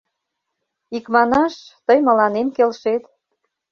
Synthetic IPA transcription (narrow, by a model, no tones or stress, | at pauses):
ikmɑnɑʃt̪əjmə̆lɑnemkelʃet̪